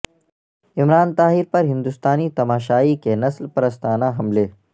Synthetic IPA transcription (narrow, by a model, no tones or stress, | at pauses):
ɪmɾaːnt̪aːɦɪɾpɐɾɦɪ̃nd̪ust̪aːnit̪ɐmaːʃaːikenɐslpɐɾəst̪aːnaɦɐmleː